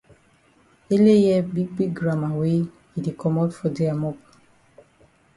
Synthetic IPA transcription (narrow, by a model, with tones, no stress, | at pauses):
e˦le˦jɛ˦bi˦ɡ̚bi˦ɡɡɹã˦ma˨we˦ | i˨de˨kɔ˨mɔ˦tfɔ˨de˨a˨mɔ˦p